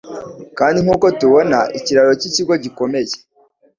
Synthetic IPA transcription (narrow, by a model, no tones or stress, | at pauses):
kaːndiŋ̥uːko̞tuβo̞naʔiciɾaɾo̞ciciɡo̞ɟiko̞me̞ze̥